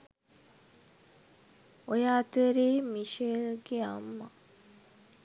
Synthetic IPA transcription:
ojaːt̪əɾeːmiʃeɡeamːa

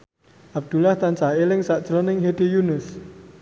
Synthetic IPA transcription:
ʔab̚d̪̥ṳlaht̪ant͡ʃaelɪŋsaʔd̥ʒ̥ɾɔnɪŋɦed̪̥ejunɪs

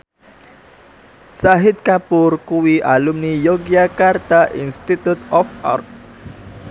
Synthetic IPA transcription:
saɦɪt̪̚kapʊrkuwiʔa̰lumnijoɡiakart̪aʔḭnst̪it̪ut̪ɔfa̰rt̚

